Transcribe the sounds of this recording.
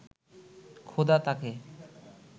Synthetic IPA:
kʰod̪at̪ake

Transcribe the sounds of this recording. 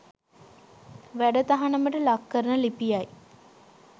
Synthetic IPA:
ʋæɖət̪aɦanəməʈəlakːəɾənəlipijaj

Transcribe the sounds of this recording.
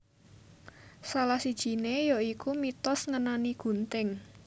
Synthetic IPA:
salahsid̥ʒ̥i̤nejoikumit̪ɔsŋənaniɡ̥ṳnt̪ɪŋ

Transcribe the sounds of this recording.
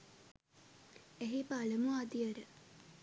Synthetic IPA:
eɦipaləmuad̪iəɾə

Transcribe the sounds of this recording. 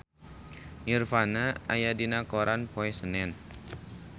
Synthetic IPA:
ɲirfanaajadinakoɾʔanpoɛsənɛn

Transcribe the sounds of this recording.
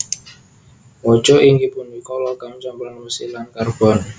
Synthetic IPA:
wɔt͡ʃɔʔiŋɡipʊnbikɔlɔkamt͡ʃambɾanmusilankarb̥ɔn

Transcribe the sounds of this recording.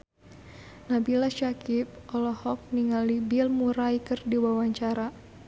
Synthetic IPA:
nabilaʃakip̚ɔlɔhɔk̚niŋalibilmuɾaikɨrdiwawaɲt͡ʃaɾa

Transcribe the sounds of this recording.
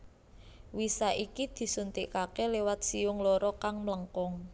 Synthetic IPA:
wisaʔikid̪̥i̤sunt̪iʔkakelewat̪̚siʊŋlɔɾɔkaŋmləŋkɔŋ

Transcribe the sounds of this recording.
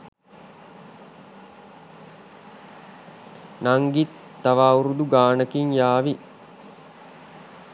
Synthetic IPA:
naŋɡit̪ːaʋaːuɾud̪uɡaːnəkiŋjaːʋi

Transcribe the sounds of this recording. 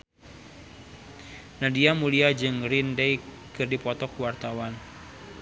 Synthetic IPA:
nadiamuliad͡ʒɨŋrindɛj | kɨrdipɔt̪ɔkuwart̪awan

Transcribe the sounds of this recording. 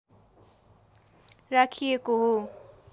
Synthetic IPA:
rakʰijekoɦo

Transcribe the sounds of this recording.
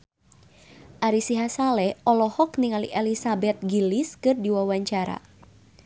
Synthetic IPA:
ʔaɾisiɦasalɛɔlɔhɔkniŋalḭʔɛlisabɛt̪̚ɡiliskɨrdiwawaɲt͡ʃaɾa̰

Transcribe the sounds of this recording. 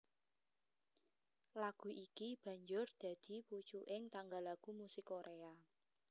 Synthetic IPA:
laɡ̥ṳʔikib̥ä̤ɲd͡ʒʊrd̪̥ä̤d̪̥i̤put͡ʃuʔɪŋt̪aŋɡalaɡ̥umusɪkoɾea

